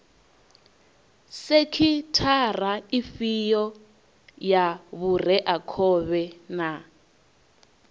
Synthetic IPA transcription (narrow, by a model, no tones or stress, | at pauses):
sekʰitʰar̤aifijɔ | jaβurɛʔakʰɔβɛna